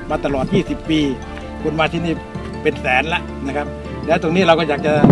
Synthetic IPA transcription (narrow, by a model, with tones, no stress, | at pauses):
maː˧t̪a˧lɔː˨˩t̪̚jiː˥˩si˨˩pːiː˧ | kʰu˧nmaː˧t̪ʰiː˧˩niː˥˩ | pe˨nsɛː˩˦nla˦˥ʔna˦˥˩kʰa˦˥p̚ | lɛː˦˥˩t̪o˧ŋniː˦˥˩ɾa˧wkɔ˥˩jaː˨˩k̚t͡ɕa˨˩